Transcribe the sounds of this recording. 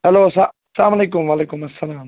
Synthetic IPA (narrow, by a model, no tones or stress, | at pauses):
hɐloːsa | slaːmɐleːk̬ʊmʋaːleːkʊmɐsːɐlaːm